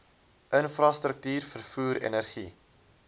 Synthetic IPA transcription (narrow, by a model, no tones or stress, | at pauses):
ʔənfrɑstɾək̚tyːrfərfuːɾɛ̰nərχi